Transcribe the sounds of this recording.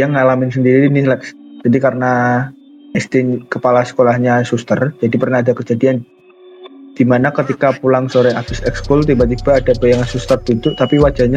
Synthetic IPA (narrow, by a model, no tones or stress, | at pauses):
jaŋalamɪnsəndiɾiɾinɪhlaʔd͡ʒadikaɾəna | ɛst̪ɪnkəpalasə̥kolahɲasust̪ərd͡ʒadipərnahadakəd͡ʒadian | d̥imanakət̪ikapulaŋsoɾɛʔafɪsɛkskʊlt̪̬ibat̪̬ib̥aːdapəjaŋansust̪ərp̪int̪ʊʔt̪apiwad͡ʒaɲa